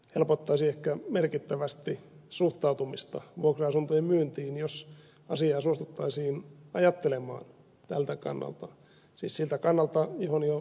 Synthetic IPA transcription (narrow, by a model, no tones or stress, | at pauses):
helpot̪ːɑisiːehkæmerkit̪ːæʋæst̪isuht̪ɑut̪umist̪ɑ̰ʋuokroɑsunt̪ojimmyːnt̪iːnjos | ɑsiɑːsuost̪ut̪ːɑisiːnɑjɑt̪ːelemɑ̰ːn | t̪ælt̪ækɑ̰nːɑ̰lt̪ɑ | siːssilt̪ækɑnːɑlt̪ɑjohonjo